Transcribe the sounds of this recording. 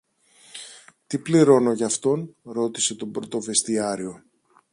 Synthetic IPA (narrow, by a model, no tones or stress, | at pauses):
t̪ipliɾo̞no̞ʝɐft̪o̞nɾo̞t̪i̥se̞t̪o̞bɾo̞t̪o̞ve̞st̪iɐɾio̞